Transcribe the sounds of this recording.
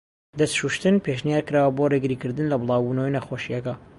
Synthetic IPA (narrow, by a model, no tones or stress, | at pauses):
d̪ɐst̪ʃuʃt̪ɨnpʰeʃnijaːɾkɨɾaːwɐboːreɡɨɾikɨɾd̪ɨnlɐbɨlˠɑːwbuːnɐwejnaxoʃijɐkɐ